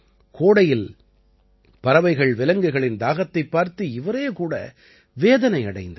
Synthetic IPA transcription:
kʰoːɽɐjɪl | pɐɾɐʋɐɪɣɐɭʋɪlɐŋɡɯɣɐɭɪnd̪aːɣɐt̪ːɐɪpːaːɾt̪ɯɪʋɐɾeːkuːɽɐ̰ | ʋeːðɐnɐɪɐɽɐɪnd̪ɐ

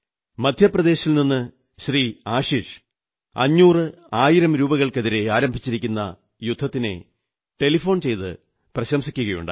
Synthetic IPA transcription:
mɐd̪ʱjɐprɐðe̞ːɕilninːɨ | ɕriːaːɕiːʂ | ɐ̰ɲːuːrɨ | aːjiɾɐmɾuːbɐɣɐɭkeðiɾe̞aːɾɐmbʱit͡ɕːiɾikʲːunːɐ̰ | jud̪ʱːɐt̪ːine̞̰ | ʈe̞lifo̞ːɳt͡ɕe̞jt̪ɨ̰ | prɐɕɐmsikʲːuɣɐjṵɳɖɨ̰

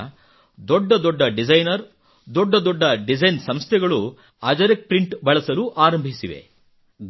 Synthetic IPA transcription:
d̪ɔɖːɐd̪ɔɖːɐɖid͡ʒɐjnɐɾ | d̪ɔɖːɐd̪ɔɖːɐɖid͡ʒɐjnsɐmst̪ʰɛɡɐɭu | ɐd͡ʒɐɾek̚pɾiɳʈbɐɭɐsɐluʔaːɾɐmbʱisiʋḛ

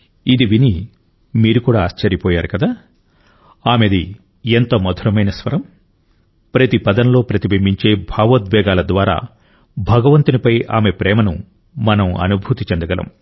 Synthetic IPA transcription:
id̪iʋini | miːɾukuːɽaːɐst͡ʃɐɾipɔːjaːɾukɐd̪aː | aːmed̪i | ent̪omɐd̪ʱɐɾɐmɐjnɐsʋɐɾɐm | pɾɐt̪ipɐd̪ɐnlo̞ːpɾɐt̪ibɐmbiɲt͡ʃe̞ːbʱaːʋɐt̪̚bɛːɡaːlɐd̪ʋaːɾa̰ː | bʱɐɡɐʋɐnt̪unipɐja̰ːme̞pɾɛːmɐnṵ | mɐnɐmɐ̰nubʱut̪it͡ʃend̪ɐɡɐlɐ̰m

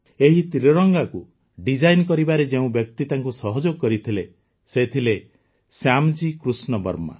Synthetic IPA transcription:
eɦit̪iɾɔɾɔŋɡaku | ɖid͡ʒajnkɔɾibaɾed͡ʒeũbjɔk̚t̪it̪aŋkusɔɦɔd͡ʒoɡkɔɾit̪ʰile | set̪ʰile | samd͡ʒikɾusnɔbɔ̰ɾma̰

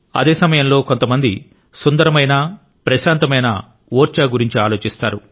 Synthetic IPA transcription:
ɐ̰d̪e̞ːsɐmɐjɐmlo̞ːko̞nt̪ɐmɐnd̪i | sund̪ɐɾɐmɐjnɐ | pɾɐʃaːnt̪ɐmɐjnɐ̰ | oːɾt͡ʃaːɡuɾiɲt͡ʃiaːlo̞ːt͡ʃist̪aːɾu

